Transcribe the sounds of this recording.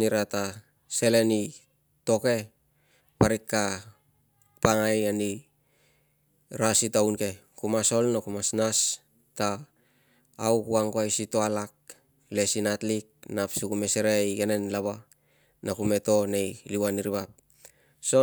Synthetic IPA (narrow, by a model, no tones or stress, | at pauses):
niɾata | se̞le̞ni | to̞ke̞ | paɾikːa | paŋajani | ɾasitawnke̞ | kumaso̞lnakumasnas | ta | wkuaŋkoajsitoalak̚ | le̞sinatlik̚napsukume̞seɾejkenenlaβa | nakume̞to̞ne̞jliwaniɾiβap̚ | so̞